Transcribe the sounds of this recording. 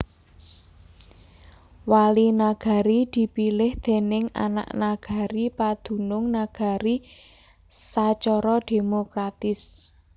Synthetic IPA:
walinaɡ̥a̤ɾid̪̥i̤pilɪhd̪̥e̤nɪŋa̰na̰ʔnaɡ̥a̤ɾipad̪̥ṳnʊŋnaɡ̥a̤ɾi | sat͡ʃɔɾɔd̪̥e̤mokɾat̪ɪs

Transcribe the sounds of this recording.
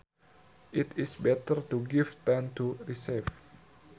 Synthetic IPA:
ʔitʰisbɛt̪ərt̪uɡivt̪ãnt̪uɹisɛv

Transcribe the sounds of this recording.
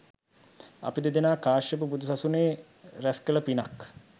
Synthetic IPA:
a̰pid̪ed̪enaːkaːʃəp̬ubud̪usasuneː | ɾæskələpinak

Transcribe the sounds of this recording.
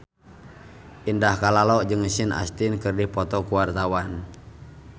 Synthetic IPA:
ʔindahkalalɔʔd͡ʒɨŋsɪnʔa̰st̪inkɨrdipɔt̪ɔkuwart̪awan

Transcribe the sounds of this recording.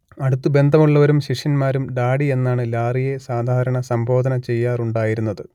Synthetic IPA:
ɐɽut̪ːɨbe̞nd̪ʱɐmuɭːɐʋɐɾumɕiʂjɐnmaːɾumɖaːɽie̞nːaːɳɨlaːrije̞saːd̪ʱaːɾɐɳɐsɐmbʱo̞ːd̪ʱɐnɐt͡ɕe̞jːaːruɳɖaːjiɾunːɐðɨ

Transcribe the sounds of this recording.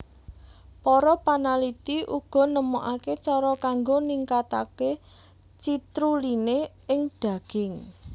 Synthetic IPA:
pɔɾɔpanalit̪iʔuɡ̥ɔ̤nəmuʔaket͡ʃɔɾɔkaŋɡoniŋkat̪ake | t͡ʃit̪ɾuline | ɪŋd̪̥ä̤ɡ̥ɪ̤ŋ

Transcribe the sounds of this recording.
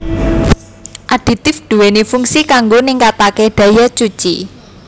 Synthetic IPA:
ʔad̥i̤t̪ɪfɖ̪̥ṳwenifuŋsikaŋɡoniŋkat̪akeɖ̥a̤jat͡ʃu̥t͡ʃḭ

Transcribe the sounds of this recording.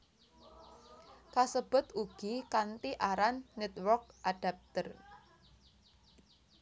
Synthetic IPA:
kasəb̥ʊ̤t̪uɡ̥ikant̪iʔaɾanːɛt̪wɔrk̚ʔaɖ̥a̤p̚t̪ər

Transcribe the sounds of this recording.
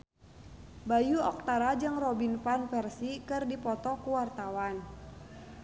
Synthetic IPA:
bajuɔk̚t̪aɾad͡ʒɨŋrɔbinpanfɛrsikɨrdipɔt̪ɔkuwart̪awan

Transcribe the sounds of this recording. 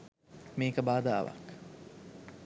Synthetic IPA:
miːkəbaːd̪a̰ːʋɐ̰k

